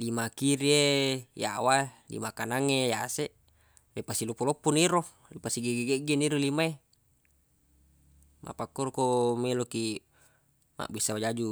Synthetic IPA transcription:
limakiɾieja̰waelḭmakanaŋejaseʔ | lepasilopolopːuniɾo | lipasiɡeɡeɡeɡeniɾolimae | mʔa̰pakːoɾokomeloki | ma̰ʔbisawad͡ʒad͡ʒu

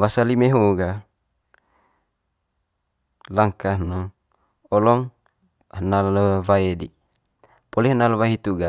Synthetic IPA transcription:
basalimeɦoɡa | laŋkahno | ɔlɔŋ | hənaləvaedḭ | polɛhnaləwait̪uɡa

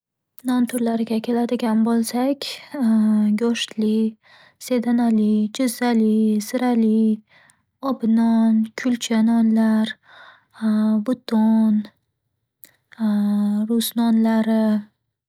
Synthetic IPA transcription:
nɒnt̪ʰʊɾlaɾɪɡʲakʲʰe̞lad̪ɪɡʲanbolˠsakʲʰ | ɡɒʃt̪li | se̞d̪analid͡ʒʊzːalisɪɾali | ɒbnɒnkʲʰʊlt͡ʃʰanɒnlaɾ | vʊt̪ʰon | ɾʊsnɒnlaɾɪ

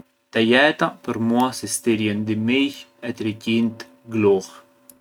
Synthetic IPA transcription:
t̪ɛjɛt̪apəɾmuasist̪iɾjɛnd̪imiçɛt̪ɾicint̪ | ɡlux

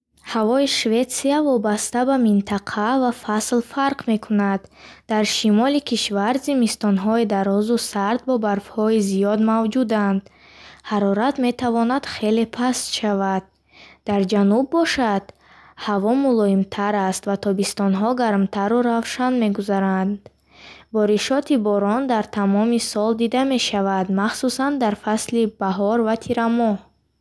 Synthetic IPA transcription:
havɔiʃve̞t̪siavɔbast̪abamint̪ʰaqʰavafaslfaɾqme̞kʰunad̪ːaɾʃimɔlikʰiʃvaɾzimist̪ɔnɦɔed̪aɾɔzusaɾd̪̚bɔbaɾfhɔizijɔd̪mavd͡ʒud̪and̪ | haɾɔɾat̪me̞t̪ʰavɔnad̪̥χe̞le̞pʰast̪ʃavad̪̚ | d̪aɾd͡ʒanubːɔʃad̪̥ | havɔmulɔimt̪ʰaɾast̪vat̪ʰɔbist̪ɔnɦɔɡaɾmt̪ʰaɾuɾavʃanme̞ɡuzaɾand̪ | bɔɾiʃɔt̪ibɔɾɔnd̪aɾt̪ʰamɔmisɔld̪id̪ame̞ʃavad̪maχsusand̪aɾfaslibaɦɔɾvat̪ʰiɾamɔh

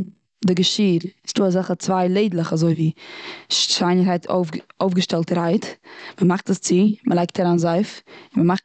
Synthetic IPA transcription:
dɪɡəʃiːɾɪsd̥uːazaχət͡svaɪlˠeɪdlˠəχazoɪviːʃʃaɪnəɾhaɪtʰo̰oʊfɡəʃtɛlˠtɾaɪtməmaχtəst͡sɪmʔəlˠaɪk̚tʰaɾaːnzaɪfɪnməmaχ

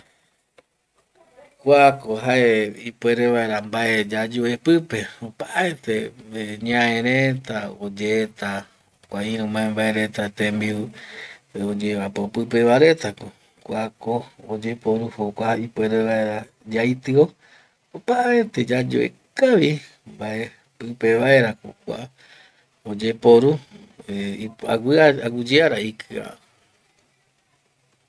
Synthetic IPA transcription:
kʷaakoɦaeipweɾeβaeɾambaed͡ʒad͡ʒoepɨpe̞opaʔaet̪eɲãẽɾẽt̪aod͡ʒet̪a | kʷaiɾũmãembaeɾe̞t̪at̪ẽmbiu | od͡ʒeβapopɨpe̞βaɾe̞t̪ako | kʷakood͡ʒe̞poɾuhokʷaipeɾeβaeɾa | d͡ʒajt̪ɨo | opaʔaet̪ed͡ʒad͡ʒo̰ʔḛ | kaβi | mbae | pɨpe̞βae̞ɾakokʷa̰ | od͡ʒe̞poɾu | iaɡaaɡud͡ʒiaɾaikʰɨa̰

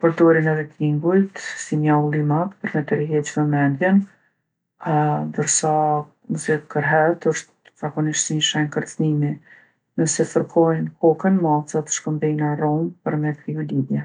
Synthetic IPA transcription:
pɔɾd̪ɔɾinɛvikʰiŋɡujt̪simaulˠimat̪pəɾmɛt̪əɾiɦɛt͡ɕməmɛnd̪jɛn | nd̪əɾsa | zɛt̪kəɾɦɛt̪əʃt̪ | zakɔniʃt̪siɲʃɛnkəɾt͡snimi | nəsɛfəɾkʰɔjnkɔkənmasat̪ʃkəmb̪inaɾɔmpəɾmɛkɾiulidjɛ

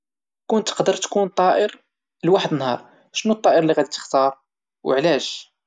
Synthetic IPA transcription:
kʊnt̪ːə̥qd̪əɾt̪kunt̪ˤːɑʔəɾ | lwaħəd̪ənhɑ̰ɾˤ | ʃnut̪ˤːɑʔəɾlːiɣæd̪it̪ə̥xt̪ɑɾˤ | wə̰ʕlæʒ

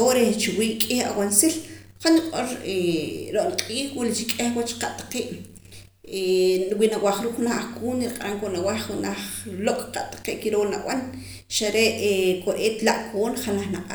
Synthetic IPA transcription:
oɾet͡ʃiwiːʔkʼiha̰wansil | qaniqʼoɾeɾoʔlqʼiːχwilit͡ʃikʼehwat͡ʃqaʔt̪ḁqeːʔ | winawaχɾuːkxunaχʔχkuːniɾiqʼaɾaŋkonawaχunaχlokʼqaʔt̪ḁqeːʔkiɾoːʔna̰ʔwan | ʃaɾeʔkʼoʔeːt̪laʔkʰoːnχanaχnaqʼa

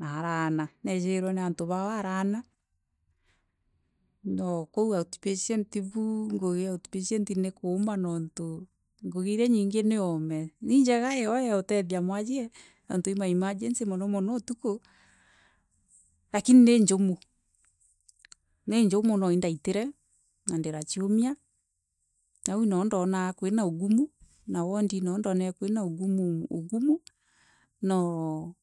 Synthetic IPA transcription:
naɾananɛʃeɾwɛneantoβawaɾana | nɔkouaoti̥pesɛntiβuŋɡoɣeaoti̥peʃɛntinekomanɔnto | ŋɡoɣeiɾɛɲiːŋɡeneɔmɛniɲd͡ʒɛɣaɛɔjɛotɛðjamwad͡ʒiɛ | na̰ntoimaimad͡ʒensemɔnɔmɔnɔtuko | lakinineɲd͡ʒomo | neɲd͡ʒomonɔindaiteɾɛ | nandeɾat͡ʃiomia | nawinɔːndɔnakwenaoɡumu | nawɔndinɔndɔnɛkwenaoɡumuoɡumu | nɔ

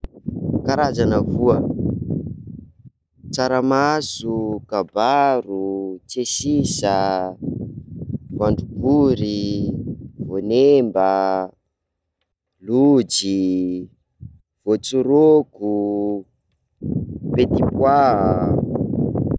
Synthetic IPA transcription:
kaɾazanəvuə | t͡saɾamasukabaɾut͡sesisa | vaɳɖ͡ʐukuɾi | vonemba | lud͡zi | v̥ot͡suɾoku | pet̪ipwa

